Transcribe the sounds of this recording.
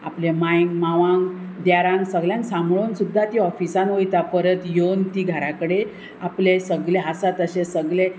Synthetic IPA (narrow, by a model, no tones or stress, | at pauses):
aplemajŋɡmaʋãŋɡd̪jaɾãŋɡsəɡljãnksamɭonsud̪ʱːat̪iɔfisanʋojt̪apəɾət̪jont̪iɡʱəɾakəɽe | aplesəɡɭeɦasat̪əɕesəɡɭe